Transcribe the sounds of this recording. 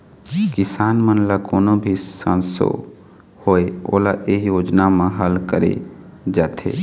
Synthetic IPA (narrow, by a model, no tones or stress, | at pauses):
kɪsaːnmənlakoːnõbʱisã̰nso̰ | hoeo̰ːlaʔeɦjoːd͡ʒnamãɦəlkəɾḛd͡ʒaːt̪ʰḛː